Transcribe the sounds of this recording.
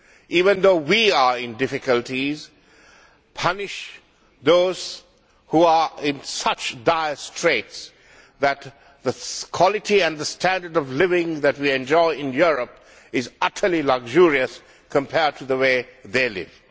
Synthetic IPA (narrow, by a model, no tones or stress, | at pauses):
ʔiːvə̃nd̪oːwiəɹɪ̃ndɪfɪkəlʈiz | pʰʌnɪʃ | ðoːz̥ | huaɪ̃nsʌt͡ʃdaɪəstʰɹ̥eːts | ðæt | ðəkʰw̥ɑlɪʈʰiæ̃nðəstʰæ̃ndə˞ɖɔvlɪvɪ̃ŋðæt̚wiɛ̃nd͡ʒɔɪɪ̃njuɾəp̚ | ɪzʌtʰəlilʌɡʒuɹiəs | kʰə̃mpʰɛd̚tʰuðəweːðelɪ̰v̥